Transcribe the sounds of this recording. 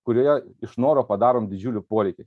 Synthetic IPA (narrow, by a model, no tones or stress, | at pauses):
kʊɾʲuɔjɛɪʃnoːɾoːpɐd̪ɑːɾoːmd̪ʲɪd͡ʒʲuːlʲɪpoːɾʲɛɪkʲɪ